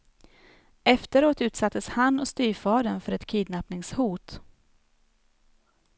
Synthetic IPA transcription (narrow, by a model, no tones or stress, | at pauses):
ʔɛft̪əɾoːt̪ʉ̟ːt̪sat̪ʰːəshanːɔst̪yːfɑːd̪ənfœɾɛt̪kʰiːd̪napnɪŋshuːt̪